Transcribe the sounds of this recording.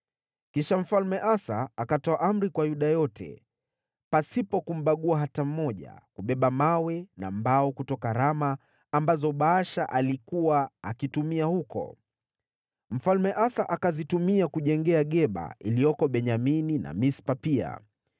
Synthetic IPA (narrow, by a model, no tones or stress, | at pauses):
kiʃam̩falmɛʔasaakatɔaʔam̩ɾikwajuɗajɔtʰɛ̰ | pasipɔkum̩ɓaɠuaɦatam̩mɔʄa̰kuɓɛɓamawɛna̰mbaɔkutɔkaɾamaː | mbazɔɓaaʃaʔalikuwaakitumiahukɔ̰ | m̩falmɛʔasaʔakazitumiakuʄɛŋɡɛaɠɛɓa̰ilijɔkɔɓɛɲaminina̰mispapia̰